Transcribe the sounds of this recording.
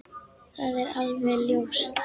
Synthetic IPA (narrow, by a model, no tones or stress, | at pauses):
θaðɛɾalvɛljowst̪